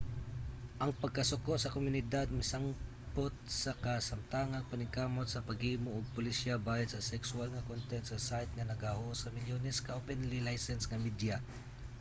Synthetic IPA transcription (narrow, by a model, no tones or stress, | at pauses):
ʔɐŋpɐɡ̚kɐsʊkotsɐkomʊnɪd̪ad̪̚mɪsaŋ | pot̪̚sɐkɐsɐmt̪aŋɐŋpɐnɪŋkaːmot̪̚sɐpɐɡiːmoʔoɡ̚pʊlɪsabaːjɐt̪sɐsɛksʊalŋɐkont̪ɛt̪sɐsajt̪̚ŋɐnɐɡahosɐmɪljoːnɛskɐʔopɛnlilajsɛnsŋɐmid̪ja